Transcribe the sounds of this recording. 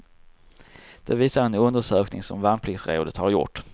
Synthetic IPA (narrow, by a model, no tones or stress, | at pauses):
d̪̥ɛviːsaɾɛnɵnd̪əʂøːknɪ̰ŋsɔmvanpʰlɪɡsɾḛːʊd̪ət̪haɾjʊ̰ʈː